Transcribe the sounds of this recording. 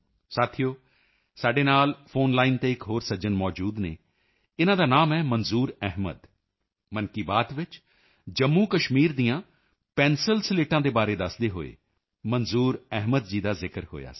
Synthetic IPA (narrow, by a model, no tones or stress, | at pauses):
saːt̪ʰijoː | saːɖeːnaːlpʰoːnlaːiːnt̪eːɪkɦoːɾsəd͡ʒənmɔːd͡ʒuːd̪nḛː | ɪnãːd̪aːnaːmɛːmənzuːɾɛɦmə̰d̪ | mənkiːbaːt̪ʋɪt͡ʃ | d͡ʒəmːũːkəʃmiːɾd̪ijãː | pɛ̃ːnsəlsleːʈãːd̪eːbaːɾeːd̪əsd̪eːɦo̰ːḛː | mənzuːɾɛɦməd̪̚d͡ʒiːd̪aːzɪkəɾho̰ːja̰ː